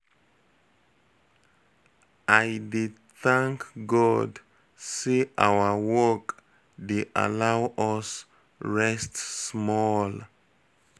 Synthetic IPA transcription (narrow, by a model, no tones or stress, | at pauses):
ʔajdid | θãŋkɡɔd | siʔa̰wəwɔk | deʔa̰lawɔs | ɹɛstsmɔl